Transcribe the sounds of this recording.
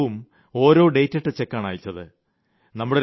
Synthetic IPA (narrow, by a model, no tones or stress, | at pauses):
um | o̞ːɾo̞ːɖe̞jtːeʈːɨt͡ɕe̞kːaːɳa̰ːjit͡ɕːɐðɨ | nɐmːuɽeɾ